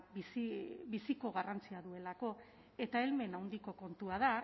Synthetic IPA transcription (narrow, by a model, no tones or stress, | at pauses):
bisiβisiko̞ɣ̞arant͡siaðue̞lako̞ | e̞t̪ae̞lme̞nawnd̪iko̞ko̞nt̪uað̞a